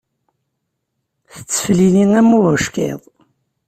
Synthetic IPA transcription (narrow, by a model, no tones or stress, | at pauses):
θə̥t͡sːə̥fliniŋæmːuəʃkḛðˤ